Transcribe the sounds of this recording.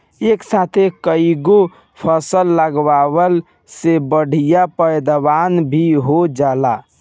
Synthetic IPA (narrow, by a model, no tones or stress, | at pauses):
eksat̪ʰekəiɡo | pʰəsəlːəɡwaʋəl | sebəɽ̤ijapəjd̪əbanbʱiɦod͡ʒala